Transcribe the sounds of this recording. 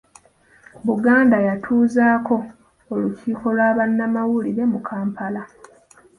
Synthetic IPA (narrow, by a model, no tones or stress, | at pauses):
βuɡaːndajatʰuːzaːkʰo̞ː | luciːko̞lwaːβanːamawuliɾe̞mukʰaːmpʰala